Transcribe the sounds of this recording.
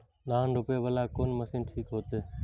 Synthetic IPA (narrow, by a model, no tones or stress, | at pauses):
naːnɾʊpeːʋəlaːkoːnməsiːnʈʰiːkɦoːt̪eː